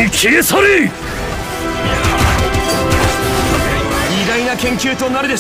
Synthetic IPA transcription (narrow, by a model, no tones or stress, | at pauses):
ikʰeɡesʰoɾi | id̪ainakʰẽ̞ŋkʲʰuɯt̪ʰonaɾɯd̪es